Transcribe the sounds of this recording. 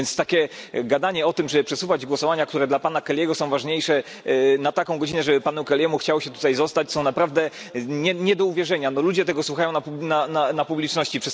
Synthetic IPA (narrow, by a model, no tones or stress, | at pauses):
ɛnst̪akʲɛɡad̪aɲɛɔt̪ɘmʐɛɘpʂɛsuvad͡ʑɡwɔsɔvaɲak̚t̪uɾɛd̪lapanakɛlʲjɛɡɔsɔ̃w̃vaʐɲejʂɛ | nat̪akɔ̃w̃ɡɔd͡ʑinɛʐɛbɘpanukɛlʲjɛmuxt͡ɕawɕɛt̪ut̪ajzɔst̪at͡ɕsɔ̃w̃napɾavd̪ɛɲɛɲɛd̪ɔuvʲjɛʐɛɲanɔlud͡ʑɛt̪ɛɡɔswuxajɔ̃w̃napubnananapublʲit͡ʂnɔɕt͡ɕipʂɛ